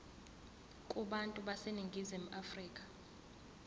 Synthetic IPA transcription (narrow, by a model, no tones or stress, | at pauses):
kʼuɓantʼuɓaseniŋɡʱizim̩afriːkʼḁ